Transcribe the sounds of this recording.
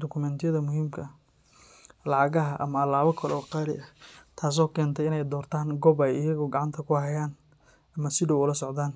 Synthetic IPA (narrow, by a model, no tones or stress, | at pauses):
d̪ɔkʰʊmɛnt̪ʰjɐðɐmʊɦiːmkʰɐ | lɑʕɑɣɐɦɐʔɐmɐɐlaːβɐkʰɐlɔːqɑːɾɪ̰ɐt̪ʰaːs̬ɔːkʰɛːnt̪ʰɛɪnɛjd̪ɔːrt̪ʰaːŋɡɔːbɛjɪjɐɣʊɡɑʕɑnt̪ʰɐkʰʊhɐjaːn | ɐmɐsɪdɔwʊlɐsɔʕd̪aːn